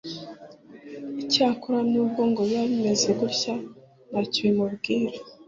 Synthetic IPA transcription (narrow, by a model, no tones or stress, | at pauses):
icaːkuɾannuːbɡoŋɡoβjaβime̞ze̞ɡuɾça | naciimubɡiːɾa